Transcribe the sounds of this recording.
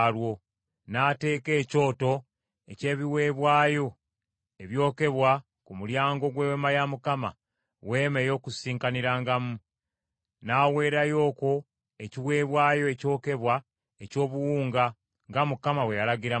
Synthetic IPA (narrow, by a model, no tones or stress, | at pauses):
lwo̞ | naːte̞ːke̞ːco̞ːto̞ | ece̞ːβiwe̞ːβwaːjo̞ | e̞βjo̞ːke̞βwa | kumuljaːŋɡo̞ɡwewemajamukama̰ | we̞ːme̞jo̞ːkusiːŋkaniɾaːŋɡamu | naːwe̞ːɾajo̞ːko̞ | eciwe̞ːβwaːjo̞eco̞ːke̞βwa | eco̞ːβuwuːŋɡa | ŋɡamukamawejalaɡiɾa